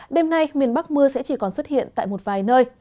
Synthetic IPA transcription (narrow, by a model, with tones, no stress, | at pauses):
ɗe˧mna˧jmi˨˩ənɓa˦˥k̚mɨ˧əsɛ̰˧˥t͡ɕi˨˩kɔ˨˩nswə˦˥t̚hḭ˧˨ənt̪a̰ː˧˨jmo˨˩t̚vaː˨˩jnəː˧j